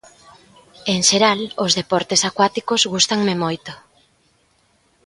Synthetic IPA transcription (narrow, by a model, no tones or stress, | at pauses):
eŋʃeɾalozðepɔɾt̪esakwat̪ikozɣust̪aŋmemojt̪o